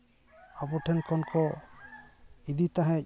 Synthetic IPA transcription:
abɔʈʰɛnkʰɔnkʰɔ | id̪it̪aɦɛ̃c̚

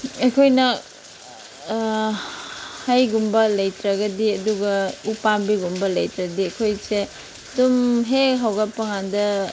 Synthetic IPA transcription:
ekʰojnɐ | hajɡumbɐlɐjtɾɐɡɐdiɐduɡɐupambiɡumbɐlɐjtɾɐdiɐkʰojse | dumɦeɦawɡapɐŋandɐ

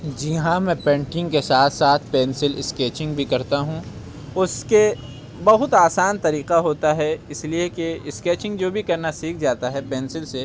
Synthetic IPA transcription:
d͡ʒɪɦãmɛ̃ːpɛ̃ːɳʈɪ̃ŋɡkesaːt̪ʰsaːt̪ʰpɛːnsɪlɪ̰skeːt͡ʃɪ̃ŋɡbʱikɐɾt̪aɦũ | ʊske | bɐɦʊt̪aːsaːnt̪ɐɾiːqaɦoːt̪aɦɛɪsliekeɪskeːt͡ʃɪ̃ŋɡd͡ʒoːbʱikɐɾnasiːkʰd͡ʒaːt̪aɦɛpɛːnsɪlse

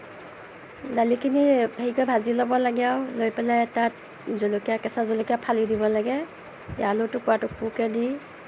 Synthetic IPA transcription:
dalikʰinibʱaɦikɔjbʱazilɔbɔlaɡɛawlojpɛlajɛta | zɔlokiakɛsazɔlokijapʰalidibɔlaɡɛ | jalʊtʊkʊwatʊpukɛdi

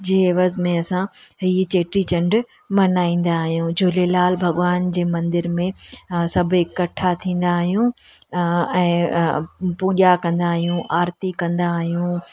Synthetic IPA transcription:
d͡ʑeːʋəzmẽɐsãɦiːt͡ɕeːʈɾit͡ɕɐ̃ɳɖ | mɐnaːĩːn̆d̪aːɦijũd͡ʑʱoːlelaːlbʱɐɠʋaːnd͡ʑeːmɐ̃nd̪ɪɾmẽsɐbʱɪkːɐʈʰat̪ʰĩːn̆d̪aːɦijũ | ɛ̃ː | puːʄakɐ̃nd̪aːɦijũʔaːɾt̪ikɐ̃nd̪aɦijũ

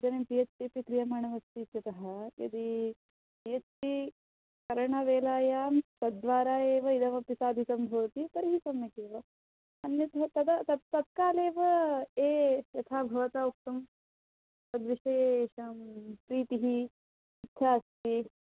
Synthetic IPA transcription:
d͡ʒ̪ɐnempijɐt͡ʃpipikɾijɐmaːɳɐʋɐst̪it̪jɐt̪ɐɦɐjɐ̰d̪i | pijɐt͡ʃpi | kɐɾɐɳɐʋeːlaːjaːmt̪ɐd̪ʋaːɾaːeːʋɐid̪ɐmɐpisaːd̪ʱisɐmbʱɐʋɐt̪ip̪ɐɾiɦisɐmːɐkeːʋɐ | ɐnjɐt̪ʰɐt̪ɐd̪ɐt̪ɐt̪ɐt̪̚kaːleːʋɐeːjɐt̪ʰaːbʱɐʋɐt̪aːuk̚t̪ɐm | t̪ɐd̪ʋiʃɐjeːʃɐmpɾiːt̪iɦi | it̪ʰaːɐst̪i

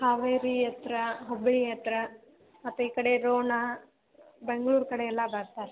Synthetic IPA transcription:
haːʋeːɾijɐt̪ɾɐɦobɭijɐt̪ɾɐ | mɐt̪ʋeiːkɐɽeɾoːɳa | beŋɡɐɭuːɾkɐɽeɛlːɐbɐɾt̪aːɾe

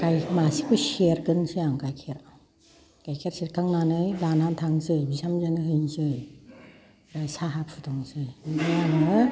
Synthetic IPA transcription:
kajmasi̥kʰɯseɾɡɯnsɯjaŋkajkʰeɾaw | kajkʰeɾsiɾ̚kʰaŋnanɯjlanantʰaŋsɯjbisamzanɯɦɯjnsɯj | ajsaɦap̚ʰutɔŋsɯjdɯjaŋɯ

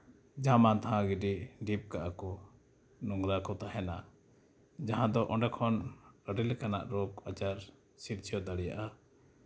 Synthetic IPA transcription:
d͡ʒamat̪aɦãɡiɖiɖip̚kaʔakɔ | nɔŋɡɾakɔt̪aɦɛna | d͡ʒaɦãd̪ɔʔɔ̃ɖɛkʰɔnəɾilkana̰ʔɾɔkat͡ʃaɾ | siɾ̚t͡ʃʰijɔd̪aɽɛja̰ʔa

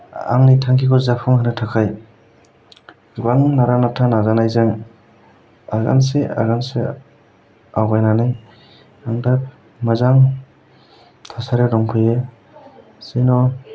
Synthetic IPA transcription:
a̰ŋnitʰaŋkʰikɔɾzapʰɔŋhanɯtʰakʰaj | ɡaŋnaɾanatʰanazanajzaŋ | a̰ɡa̰nsea̰ɡanse | awɡajnanaj | aŋda | mazaŋ | tʰasaɾeɾɔŋpʰɯje | sejnɔ

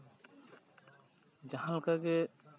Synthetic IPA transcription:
d͡ʒahãlkaɡɛ

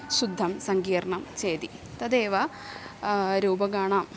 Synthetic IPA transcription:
ɕud̪ʱːɐmsɐŋɡiːɾɐɳɐmt͡ɕeːd̪i | t̪ɐd̪eːʋɐ | ɾuːbɐɡaːɳam

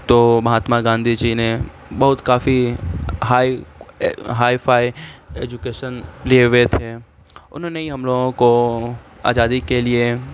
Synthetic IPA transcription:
t̪oːmɐɦaːt̪maɡãːnd̪ʱid͡ʒine | bɐɦʊt̪kaːfiɦaːi | ɦaːifʰaːieːd͡ʒʊkeːʃənlieʋet̪ʰe | ʊ̰nɦõneiɦɐmloːɡõko | a̰ːd͡ʒaːd̪ikelie

